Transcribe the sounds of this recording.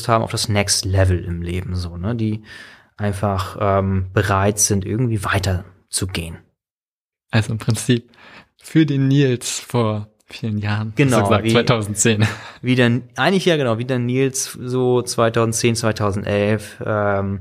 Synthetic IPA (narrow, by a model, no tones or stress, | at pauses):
sthaːbmʔa̰ʊfd̥asnɛkstlɛvl̩ʔɪ̰mleːbm̩zoːnəd̥iːʔaɪnfaχʔɛmb̥əʁaɪtz̥ɪntʔɪ̰ɐɡŋ̩tv̥iːvaɪtɐ | t͡suɡḛːən | ʔalzoɪmpʁ̥ɪnt͡siːp̚ | fyːɐdeːnːiːlsfoːɐ | fiːlənjaːʁnɡ̥ənaʊzavivaɪtʰaʊzn̩tt͡seːnviːdanʔaɪŋlɪçjaːɡənaʊviːdanːiːlszoːt͡sv̥aɪtʰaʊzn̩tt͡seːnt͡svaɪtʰaʊzn̩tʔɛlfʔɛm